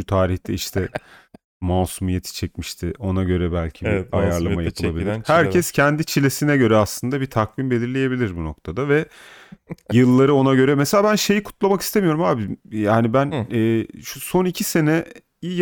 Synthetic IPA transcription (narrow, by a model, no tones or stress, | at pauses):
ʃut̪ʰaːɾiçt̪ʰɛiʃt̪ʰɛ | mawsumijet̪ʰi̥t͡ʃʰɛcmiʃt̪ʰɪʔo̞naɟø̞ɾɛbælʲcʰiiajaɾlˠamajapʰɯlˠabilʲɾhæɾcʰɛscʰɛnd̪it͡ʃʰilʲe̞sinɛɟø̞ɾɛaslˠɯnd̪abit̪ʰakvinbe̞lʲiɾlʲeje̞bilʲiɾbuno̞̰kt̪ʰad̪avɛ | jɯlˠːaɾɯo̞naɟø̞ɾɛmɛselʲabænʃe̞jikʰu̥t̪ʰlˠamaki̥st̪ʰemijo̞ɾumaːbimjaːnibænɛːʃuso̞nicʰise̞nɛ | i